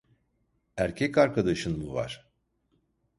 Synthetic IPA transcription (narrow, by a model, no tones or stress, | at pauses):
æɾcʰɛcaɾkʰad̪aʃɯnmuva̰ɾ̥